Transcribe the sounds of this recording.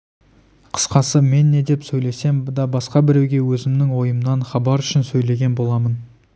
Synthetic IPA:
qʰə̥sqɑsəme̞nːe̞d̪e̞psɵjle̞se̞md̪ɑbɑsqɑbɪɾe̞wɡʲe̞wɵzɪmnɪŋwo̞jəmənɑnχɑbɑɾʏʃɪnsɵjle̞ɡʲe̞nbo̞lˠɑmən

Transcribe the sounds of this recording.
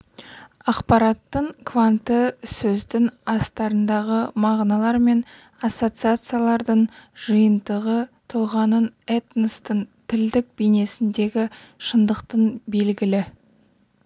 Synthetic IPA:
ɑqpɑɾɑt̪ːəɴkʰvant̪əsɵzd̪ɪŋɑst̪ɑɾənd̪ɑʁəmɑʁnɑlˠɑɾme̞n | asːo̞t̪sɨat̪sɨjalˠɑɾd̪əɴʒ̥əjənd̪əʁət̪ʰʊlˠʁɑnənet̪nəst̪əɴt̪ʰɪld̪ɪk̚bijne̞sɪnd̪e̞ɡʲɪ | ʃənd̪əqt̪ənbe̞lɡʲɪlɪ

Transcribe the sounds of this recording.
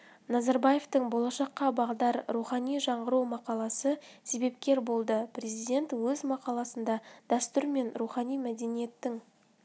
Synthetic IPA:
nɑzɑɾbɑje̞ft̪əɴbo̞lˠɑʃɑqːɑbɑʁd̪ɑɾɾuχɑnijʒɑɴʁəɾuwmɑqɑlˠɑsəse̞be̞p̚kʲe̞ɾbo̞lˠd̪əprʲe̞zijd̪ʲe̞nt̪wɵzmɑqɑlˠɑsənd̪ɑd̪̥æst̪ʊɾme̞nɾuχɑnijmæd̪e̞nije̞t̪ːɪŋ

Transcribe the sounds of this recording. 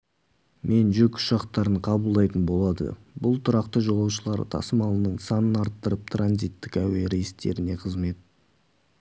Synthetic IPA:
mʔe̞nʒʏkʊ̥ʃɑqt̪ɑɾəɴqʰɑbəlˠd̪ɑjt̪ənbo̞lˠɑd̪ə̰bʊlˠt̪ʰʊɾɑqt̪əʒo̞lˠɑwʃəlˠɑɾt̪ʰɑ̰səmɑlˠənəɴsɑnənɑɾt̪ːəɾəp̚t̪ʰɾanzijt̪ːɪkæwe̞ɾejɪst̪e̞̰ɾɪne̞qʰəzme̞t̪̚

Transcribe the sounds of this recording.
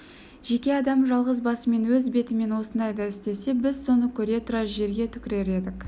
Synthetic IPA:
ʒ̥e̞kʲe̞ɑd̪ɑmʒɑlˠʁəzbɑsəme̞nwɵzbe̞t̪ɪme̞nwo̞sənd̪ɑjd̪ɑɪst̪e̞se̞bɪzso̞nəkʲʰɵɾe̞t̪ʰʊɾɑʒe̞ɾɡʲe̞t̪ʰʏkʲɪɾe̞ɾe̞d̪ɪk

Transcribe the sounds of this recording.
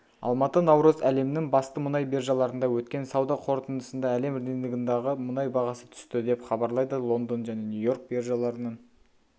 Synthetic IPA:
ɑ̰lˠmɑt̪ənɑwɾəzæle̞mnɪŋbɑst̪əmʊnɑjbeɾʒɑlˠɑɾənd̪ɑwɵt̪kʲe̞nsɑwd̪ɑqʰo̞ɾt̪ənd̪əsənd̪ɑæle̞md̪enlɪɡʲɪnd̪ɑʁəmʊnɑjbɑʁɑsət̪ʰʏ̥st̪ɪd̪e̞pχɑbɑɾlˠɑjd̪əlˠo̞nd̪onʒæne̞njujo̞ɾk̚beɾʒɑlˠɑɾənəɴ

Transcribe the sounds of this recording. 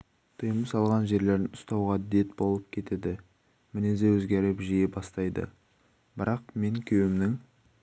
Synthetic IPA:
t̪ʰəjəməsɑlˠʁɑnʒe̞ɾle̞ɾd̪ɪnʊ̥st̪ɑwʁɑd̪e̞t̪bo̞lˠəp̚kʲʰe̞t̪e̞d̪ɪ | mɪnezewɵzɡʲeɾɪpʒijebɑst̪ɑjd̪ə̰ | bɪɾɑq̚me̞ŋkʲʰewɪmnɪŋ

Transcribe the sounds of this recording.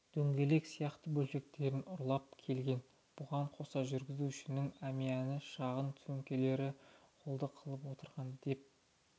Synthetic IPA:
d̪̥ɵŋɡʲe̞le̞ksijɑqt̪əbɵlʃe̞k̚t̪e̞ɾɪnʊɾlˠɑp̚kʲʰe̞lɡʲe̞n | b̥ʊʁɑɴqʰo̞sɑʒʏɾɡʲɪzuʏʃɪnɪŋæmijænɪʃɑʁənt̪ʰɵŋkʲe̞le̞ɾɪqʰolˠd̪əqʰəlˠəp̬wo̞t̪əɾʁɑnd̪e̞p̚

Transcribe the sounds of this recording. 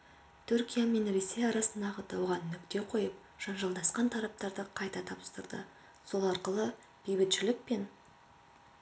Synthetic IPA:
t̪ʰʏɾkʲijamenɾisejɑɾɑsənd̪ɑʁəd̪ɑwʁɑnːʏkt̪e̞qʰo̞jəp̚ | ʒ̥ɑnʒɑlˠd̪ɑsqɑnt̪ʰɑɾɑp̚t̪ɑɾd̪əqʰɑjt̪ɑt̪ʰɑbə̥st̪əɾd̪ə̰ | so̞lˠɑɾqəlˠə | b̥ijbɪt̪ʒ̥ɪlɪk̚pe̞n

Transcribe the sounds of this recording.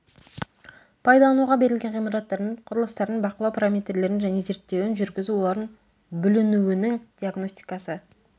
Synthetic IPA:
pʰɑjd̪ɑlˠɑnuʁɑbe̞ɾɪlɡʲe̞nʁijmɑɾɑt̪ːɑɾd̪əɴqʰʊɾəlˠəst̪ɑɾənbɑqəlˠɑwpʰɾamʲet̪rle̞ɾɪnʒæne̞ze̞ɾt̪ːe̞wɪnʒʏɾɡʲɪzuwo̞lˠɑɾd̪ən | bʏlɪnuwɪnɪŋd̪̥ʲiaɡno̞sʲt̪i̥jkɑsə

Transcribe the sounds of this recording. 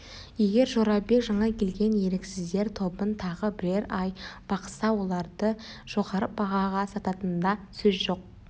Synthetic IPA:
je̞ɡʲe̞ɾʒo̞ɾɑbe̞kʒɑɴɑkʲʰe̞lɡʲe̞nje̞ɾeksɪzd̪e̞ɾt̪ʰo̞bənt̪ʰɑʁəbɪɾe̞ɾɑjb̥ɑqə̥sɑwo̞lˠɑɾd̪ə | ʒ̥o̞ʁɑɾəp̚bɑʁɑʁɑsɑt̪ɑt̪ənd̪ɑsɵzʒo̞q̚

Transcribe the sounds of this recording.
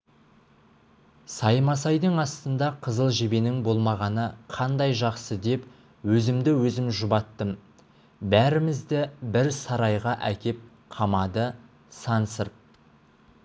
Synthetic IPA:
sɑjmɑsɑjd̪əɴɑst̪ənd̪ɑqʰəzəlˠʒebe̞nɪŋbo̞lˠmɑʁɑnəqʰɑnd̪ɑjʒɑqsəd̪e̞p | wɵzɪmd̪ɪwɵzɪmʒʊbɑt̪ːəm | bæɾɪmɪzd̪ɪbɪɾsɑɾɑjʁɑʔækʲe̞p̚ | qʰɑmɑd̪ə | sɑnsəɾp̚

